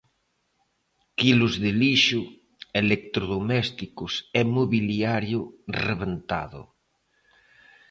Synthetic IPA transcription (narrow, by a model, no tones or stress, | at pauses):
kilozðeliʃu | elek̚t̪ɾoðomɛst̪ikosemoβiliaɾjʊreβent̪a̰ðʊ̰